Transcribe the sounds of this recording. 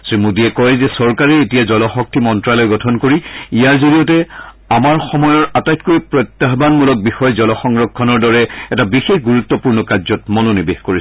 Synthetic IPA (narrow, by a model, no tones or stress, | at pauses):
sɹimudiɛkɔjzɛsɔɹkaɹɛetijazɔlɔxɔk̚tʰimɔntɹalɔjɡɔtʰɔnkoɹiijaɹzolijɔtɛ | amaɹxɔmɔjɔɹatajtkoɹipɹɔjt̪ːaɦbanmulɔk̚bixɔjɔzɔlɔxɔŋɹɔkʰːɔnɔɹdɔɹɛɛtabixexɡuɹut̪ːɔpuɹnɔkazɔtmɔnonibexkoɹis